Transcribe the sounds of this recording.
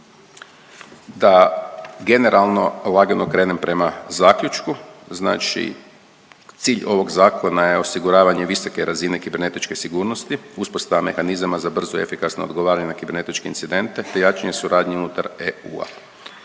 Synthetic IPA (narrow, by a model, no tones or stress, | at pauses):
d̪aɡe̞ne̞ɾalˠno̞lˠaɡenokɾe̞ːne̞mpɾe̞mazaːkʎut͡ʃkuzna̰ːt͡ʃḭ | t̪siːʎo̞ʋo̞ɡzaːkʰo̞naje̞o̞siɡuɾaːʋaɲe̞ʋiso̞ke̞ɾazine̞kibe̞ɾne̞t̪it͡ʃke̞siɡuːɾno̞st̪iuspo̞st̪aʋame̞xanizamazabr̩zoe̞fikasnood̪ɡo̞ʋaːɾaɲenakibe̞ɾne̞t̪it͡ʃkeinsid̪e̞nt̪e̞t̪e̞jaːt͡ʃaɲe̞suɾaːd̪ɲeunut̪aɾeṵːa̰